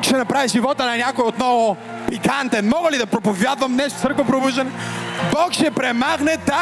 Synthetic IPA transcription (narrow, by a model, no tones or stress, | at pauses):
kʃɛnɐpɾaviʒivɔt̪ənɐnʲakojot̪nɔvo | pikant̪ɛnmɔɡəlid̪ɐpɾopovʲjad̪vɐmnɛʃt̪o̥səɾkvɐpɾobuʒd̪ɐnɛbɔkʃɛpɾɛmaxnɛd̪a